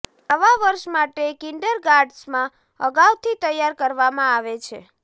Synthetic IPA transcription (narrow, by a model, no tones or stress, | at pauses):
əʋaʋəɾʃmaʈekiɳɖəɾɡaɾɖsmã | əɡawt̪ʰit̪əjaɾkəɾʋamãaʋet͡ʃʰe